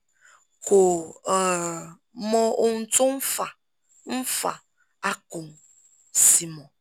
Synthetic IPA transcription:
ko˨ | mɔ˦ʊ˦n̩˦tʊ˦m̩˦fa˨ | m̩˦fa̰˨ | a˦kʊ˨ŋ˨ | si˨mɔ̃˨

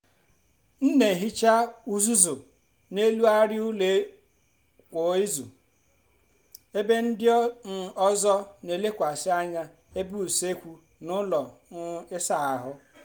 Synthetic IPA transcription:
n̩˦ne˨ɦi˦t͡ʃa˦u˦zu˦zʊ˨ | ne˦lu˦a˦ɾɪ˦u˦le˦ | kʷo˨˦ɪ˦zṵ˨ | e˦be˦n̩˦dɪ˦n̩˦˨ɔ˦zɔ˦ne˨le˦kʷa˨sɪ˦a˦ɲa˦ | e˦bu˦u˨se˦kʷu˦ | nʊ˦lɔ˨˦ɪ˦sa˦˨a˨ɦʊ˦

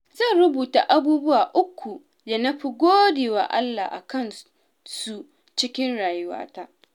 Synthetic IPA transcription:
zɐ˦˨nɽʊ˦buː˨ta˨ʔa˦buː˦bʊ˦waː˨ʔʊ˦kʰʷːu˨ | da˨nɐ˦ɸi˦˨ɡʷoː˦deː˨wa̰ː˦ʔa̰˦lːa˨ʔa̰˨kɐ˦˨n | su˦ | t͡ʃɪ˦kʲɪ˦nɽaː˨jʊ˦wa̰ː˦ta˦ʔ

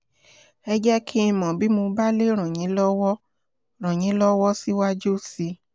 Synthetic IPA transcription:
ɛ˧d͡ʒɛ˦kʰi˦˧mɔ̃˨bi˨˦mõ˧ba˦le˦ɾ̃ɔ̃˨jĩ˨˦lɔ˦wɔ˦ | ɾ̃ɔ̃˨ɲ̃ĩ˨˦lɔ˦wɔ˦si˦wa˦d͡ʒo˦˨si˧

